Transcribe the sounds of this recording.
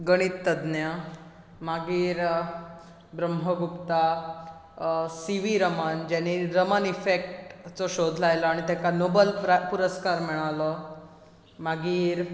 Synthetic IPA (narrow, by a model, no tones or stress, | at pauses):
ɡəɽ̃it̪ːəd̪njə | maɡiːɾ | bɾəmɦəɡukt̪a | siʋiɾəmand͡ʑaniɾəmənifek̚ʈt͡soɕod̪ʱlajləaɽ̃it̪jakanobəlɾpuɾəskaɾmɛɭ̃alə | maɡiːɾ